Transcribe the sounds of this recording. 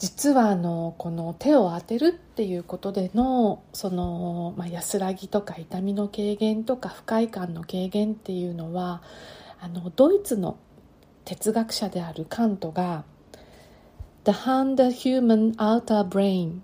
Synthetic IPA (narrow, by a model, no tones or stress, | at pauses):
d͡ʑit͡sɨβaːno̞ko̞no̞t̪e̞o̞at̪e̞ɾɯ̟t̪ːe̞jɯ̟ːko̞t̪o̞d̪e̞no̞so̞no̞majasɨɾaɡʲit̪o̞kait̪amʲino̞ke̞ːɡẽ̞nt̪o̞kaɸɯ̟̥kaikãnːo̞ke̞ːɡẽ̞nt̪ːe̞jɯ̟ːno̞βaː | no̞d̪o̞it͡sɨno̞̰ | t̪e̞t͡sɨɡakɯ̟̥ɕad̪e̞aɾɯ̟kʰãnt̪o̞ɡa | d̪̥ahãnd̪açɨːmãnat̪abɾẽĩn